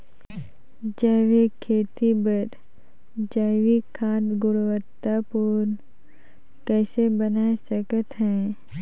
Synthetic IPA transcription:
d͡ʒəːʋikʰːeːt̪ibəɾ | d͡ʒaːʋikʰãːt̪ɡʊɽwət̪ːapuʊɾ | kɛːsebənaːesəkət̪ɦɛ̃ː

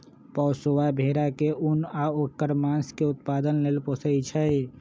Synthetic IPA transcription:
pɔʊsoʋabʱeɾakeunaokːəɾmãnskeʊt̪̚pad̪ənleːlposəit͡ʃʰəj

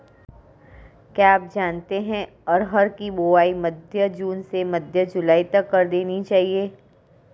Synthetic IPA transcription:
kjaːaːp̚d͡ʒaːnt̪eɦɛ̃ | ɔːɾɦɐɾkiboːaːimɐd̪ʱjəd͡ʒuːnsemɐd̪ʱjəd͡ʒʊlaːit̪ɐkːɐɾd̪eːnit͡ʃaːɦieː

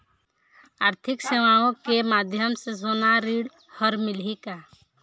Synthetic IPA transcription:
aːɾt̪ʰɪkseʋaõkemaːd̪ʱjəmsesoːnaɾiːɽ | həɾmɪlɦika

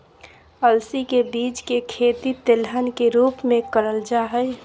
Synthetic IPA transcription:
əlsikebiːd͡ʒkekʰeːt̪it̪elɦənkeɾuːpmẽkəɾəld͡ʒaɦəj

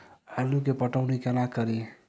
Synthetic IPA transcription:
aluk̬epəʈaʊnikenakʌɾi

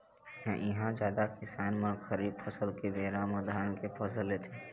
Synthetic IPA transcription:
ɦɛ̃ʔɪɦãd͡ʒjaːd̪akɪsaːnmə̃xɐɾiːbpʰɐsəlked̪ʱeːɾãməd̪ʱaːnkepʰɐsəlet̪ʰeː

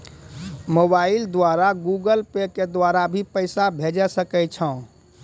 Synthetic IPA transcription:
mobaɪld̪waɾaɡuɡəlpeked̪waɾabʱipəɪsabʱed͡ʒɛsəkɛt͡ʃʰə̃

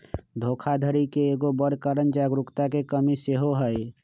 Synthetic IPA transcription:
d̪ʱoːkʰad̪ʱəɾikeeːɡobəɽkəɾənd͡ʒaːɡɾʊkt̪akekəmiseɦoɦəj

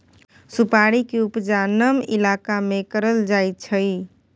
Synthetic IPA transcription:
supaɽikeupd͡ʒanəmḭlakamekəɾəld͡ʒajtt͡ʃʰəj

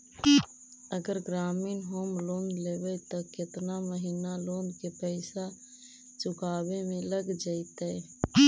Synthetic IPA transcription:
əɡəɾɡɾaːminɦoːmloːnleːbɛt̪ɔkɪt̪naməɦiːnaloːnd̪kepəɪsa | t͡ʃʊkaːbemẽləɡd͡ʒəɪt̪ɛ

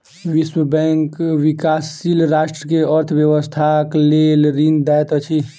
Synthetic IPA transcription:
ʋiswəbɛ̃ŋkwikaːsːilɾaːʃʈɾəkeəɾt̪ʰʋjəwəst̪ʰaklelɾind̪ɛjt̪ət͡ʃʰi

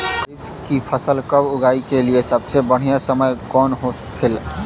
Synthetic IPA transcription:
kpʰ | kipʰəsəlkəbuɡaikeliesəbsebəɽ̤ijasəməjkɔnɦo | kʰel

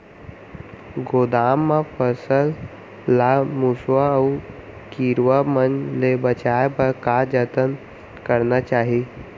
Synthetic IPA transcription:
ɡoːd̪aːmːapʰəsəlː | amuswaʊ | kiːɾʋamənlebət͡ʃaepəɾkad͡ʒət̪ən | kəɾnat͡ʃaːɦi

